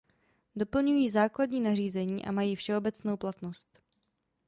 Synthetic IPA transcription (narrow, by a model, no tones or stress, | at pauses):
do̞pl̩ɲujiːzaːkladɲiːnariːzɛɲiːʔa̰majiːfʃɛo̞bɛt͡sno̞wplat̪nost̪